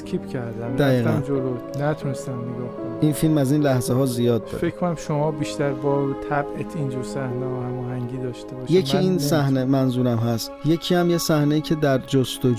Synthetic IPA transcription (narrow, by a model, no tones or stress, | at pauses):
kʰipcʰæɾd̪æmd̪æiːɣænd͡ʒolonæt̪ʰunest̪æmneɡɒːhkoniːnfilmæziːnlæhzeɦɒːzijɒːd̪̚ːɒ̰ːɾfekʰkʰonæmʃomɒːbiʃt̪æɾbɒːt̪ʰæbet̪ʰind͡ʒuɾsæhneɒhæmɒːɦæŋɟiːd̪ɒːʃt̪ebɒːʃjecʰiiːnsæhnemænzuːɾæmɦæst̪je̞cʰiːæmje̞sæhneiːcʰe̞d̪æɾd͡ʒost̪od͡ʒ